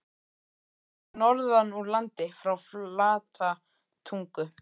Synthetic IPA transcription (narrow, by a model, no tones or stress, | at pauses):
nɔɾðanːuɾlant̪ɪfɾawflaːt̪ʰa | t̪ʰuŋkʏ